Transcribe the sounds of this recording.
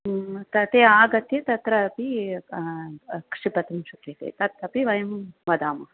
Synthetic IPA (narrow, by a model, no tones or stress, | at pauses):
t̪ɐt̪eːaːɡɐt̪jet̪ɐt̪ɾɐpi | kʂipɐt̪ɐmʃukʰet̪ḛːt̪ɐt̪ɐpiʋɐjɐmʋɐd̪aːmɐ